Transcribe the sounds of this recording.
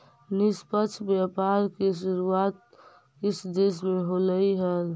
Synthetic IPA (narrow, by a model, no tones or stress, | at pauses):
nɪspət͡ʃʰbjapaɾkeʃuɾuat̪̚ | kɪsd̪es̬mẽɦoləiɦəl